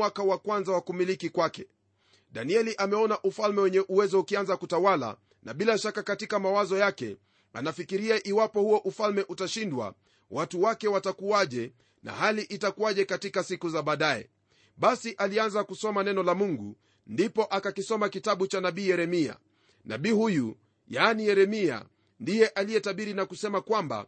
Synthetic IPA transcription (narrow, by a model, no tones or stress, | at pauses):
wakawakwanzawakumilikikwakɛ | ɗaniɛliʔamɛɔnaʔufalmɛwɛɲɛʔuwɛzɔukianzakutawala̰ | nʔa̰ɓilaʃakakatikamawazɔjakɛ̰ | a̰nafikiɾiaʔiwapɔhuɔʔufalmɛʔutaʃindwa̰ | wʔatuwakɛwatakuaʄɛ | na̰haliʔitakuwaʄɛkatikasikuzaɓaːɗaɛ̰ | ɓasiʔalianzakusɔmanɛnɔlamuŋɡṵ | ndipɔʔakakisɔmakitaɓut͡ʃanaɓiːjɛɾɛmia̰ | na̰ɓiːhuju | jaːnijɛɾɛmia̰ | ndijɛʔalijɛtaɓiɾinakusɛmakwamba̰